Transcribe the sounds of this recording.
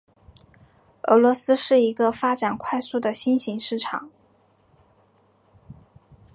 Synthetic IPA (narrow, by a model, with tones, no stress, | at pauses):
ɤ˧˥lwɔ˧˥sɹ̩˥ʂɻ̩˥˩i˧˥ɡə˧fa˥ʈ͡ʂa˨˩nkʰwa˥˧ɪsu˥˩d̪ə˩ɕi˥nɕi˧˥ŋʂɻ̩˥˩ʈ͡ʂʰɑ̰˨˩˦ŋ